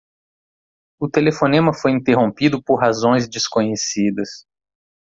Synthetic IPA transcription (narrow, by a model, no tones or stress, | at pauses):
ʊt̪elefonẽmɐfojĩnt̪eɦõpid̪ʊpoɾɦazõj̃zd͡ʒɪskõɲesid̪ɐs